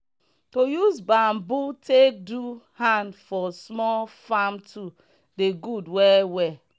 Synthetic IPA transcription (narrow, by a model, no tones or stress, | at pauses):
tojuzbãmbutʰek̚duhãndfɔsmɔlfamtʰu | deɡudwɛwɛ